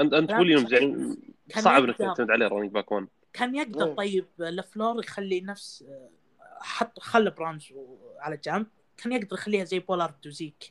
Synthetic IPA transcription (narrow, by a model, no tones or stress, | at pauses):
ʔant̪ʔant̪wʊljoːmzaʕikʰaːnsɑʕbnaktt̪amɪd̪ʕaleːɾˤɑniːɡ̚bakan | kʰaːnjaɡ̚d̪ɑɾˤt̪ˤɑjːɪb̚lʔafloːɾˤjxalːinafs | ħɑt̪ˤːxalːabɾɑnd͡ʒʕalad͡ʒamb̚ | kaːnjaɡd̪ɑɾˤjxalːiːhazajːboːlɑɾˤd̪uziːk